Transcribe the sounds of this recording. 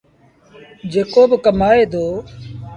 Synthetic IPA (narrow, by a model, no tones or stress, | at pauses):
d͡ʒeːkoːbkəmaːeːd̪oː